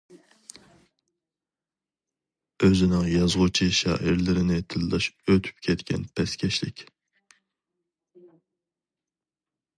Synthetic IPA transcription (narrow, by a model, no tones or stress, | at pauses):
øzɪnɪŋjɑzʁʊt͡ʃʰiʃɑ̰ːʔɪɾlɪɾɪnɪt̪ʰɪlˠːɑʃøt̪ʰy̥pkʲʰɛt̪kʲʰɛ̰npʰɛskʲʰɛʃlɪkʲ